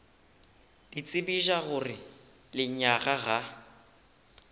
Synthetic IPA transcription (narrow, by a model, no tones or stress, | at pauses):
d̥it͡sʼɪbiʒaɣʊrɪ | lɪɲaɣaɣa